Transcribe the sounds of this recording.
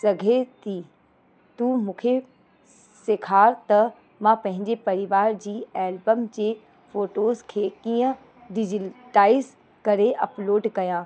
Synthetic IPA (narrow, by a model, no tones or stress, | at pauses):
sɐɡʱet̪iː | t̪umũːkʰe | sekʰaːɾt̪ɐ | mãpɐ̃ɦɪ̃ɲd͡ʑepɐɾɪʋaːɾd͡ʑiːɛːlbəmd͡ʑeː | foːʈoːzkʰeːkiːə̃ | ɖɪd͡ʑɪʈaːɪz | kɐɾeʔɐploːɖkɐjãː